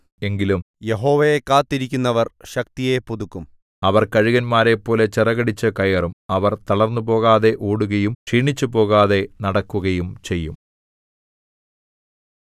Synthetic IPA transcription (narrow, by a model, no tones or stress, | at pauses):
e̞ŋɡilum | je̞ɦo̞ːʋɐjekːaːt̪ːiɾikʲːunːɐʋɐrɕɐkt̪ije̞puðukːum | ɐʋɐrkɐɻiɣɐnmaːɾe̞pːo̞ːle̞t͡ɕerɐɣɐɽit͡ɕːɐkɐjɐrumɐʋɐrt̪ɐɭɐrnːupo̞ːɣaːðe̞ʔoːɽuɣɐjumʂiːɳit͡ɕːupo̞ːɣaːðe̞nɐɽɐkːuɣɐjumt͡ɕe̞jːum